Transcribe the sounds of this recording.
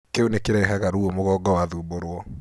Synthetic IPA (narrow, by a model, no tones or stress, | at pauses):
keunekeɾɛɦɛɣaɾuomoɣɔɡɔwaðuːboɾwɔ